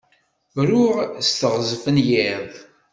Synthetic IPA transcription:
vɾʊʁst̪əʁzfənjɪðˤ

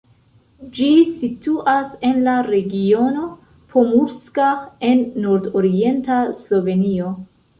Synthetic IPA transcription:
d͡ʒisituʔase̞nlaɾe̞ɡio̞no̞ | pʰo̞muɾskae̞nːoɾdoɾie̞ntaslo̞ve̞nio̞

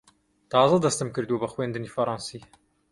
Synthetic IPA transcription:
t̪ɑːzɐd̪ɐst̪ɨmkɨɾd̪ubɐxweːnd̪ɨniːfɐɾˤɑːnsiː

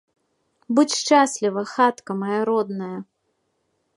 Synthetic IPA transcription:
bɨt͡sʲʃt͡ʂasʲlʲivɐxat̪kɐmɐjaɾɔd̪nɐjɐ

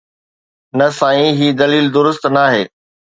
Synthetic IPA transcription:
nɐsãːĩɦiːd̪ɐliːld̪ʊɾʊst̪naːɦeː

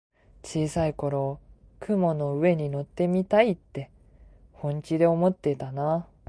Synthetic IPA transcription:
t͡ɕiːsaiko̞ɾo̞ːkɯ̟mo̞no̞ɯ̟e̞ɲ̟ino̞t̪ːe̞mʲit̪ait̪ːe̞ | hõ̞ɲt͡ɕid̪e̞o̞mo̞t̪ːe̞t̪ana

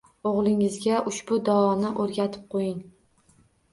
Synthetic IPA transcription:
oʁlˠɪŋɪzɡʲaʔʊʃbʊd̪ɒɒnɪʔoɾɡʲat̪ʰɪ̥p̚qʰojɪŋ

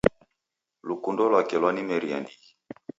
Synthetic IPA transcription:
lukundɔlwakɛlwanimɛɾia̰ndi

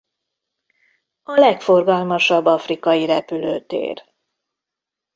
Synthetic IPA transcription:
ɒlɛkfo̞rɡɒlmɒʃɒbːɒfrikɒjiɾɛpyløːt̪ḛːr

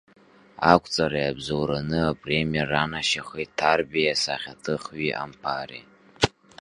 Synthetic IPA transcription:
akʷʼʰt͡sʼaɾajabzowɾanɨapʼre̞mijaranaʃaχitʰːarbejasaχʲatʰɨχɥiʔa̰mpʰarḭ

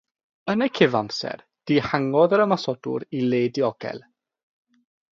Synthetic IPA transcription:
ənəkʰɪvamsɛ̰r | d̥iːhaŋɔðəɾəmasɔdʊ̰ɾileːdiɔɡɛ̰lˠ

